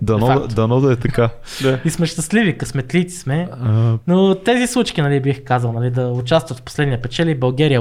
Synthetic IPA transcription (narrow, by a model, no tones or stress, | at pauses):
d̪ɐnɔad̪ɐnɔd̪ɐɛt̪ɐka | aismɛʃt̪ɐslivikɐsmɛt̪lit̪i̥smɛnot̪ɛzislˠut͡ʃk̟inɐlibixkazəlˠnɐlid̪ɐʊt͡ʃast̪vɐt̪fpo̥slɛd̪nijəpɛt͡ʃɛlibɐlˠɡɛɾijə